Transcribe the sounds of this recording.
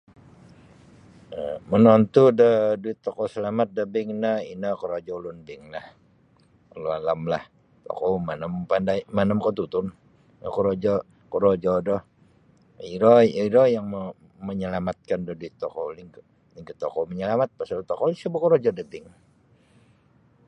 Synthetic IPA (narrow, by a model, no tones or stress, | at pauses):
əmənɔnt̪udəduit̪ːokɔsəlamat̪̚dəbɪŋnəinəkəɾod͡ʒɔlunbɪŋlah | əlualamlah | t̪o̰kɔmanəmpandajmanəmkot̪ut̪un | nə̰koɾod͡ʒɔ | kəɾod͡ʒɔdɔh | iɾɔiɾɔjaŋmə | məɲəlamat̪̚kandɔhduit̪ːɔkoliŋk | liŋkət̪okɔməɲəlamat̪̚pasalt̪ɔkɔlisəbəkoɾod͡ʒɔdəbɪŋ